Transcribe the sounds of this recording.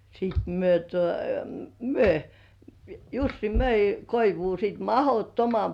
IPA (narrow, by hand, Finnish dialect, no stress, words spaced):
siˑt myø tuo myø jusːi møi koiʋuː sit mɑhotːomɑm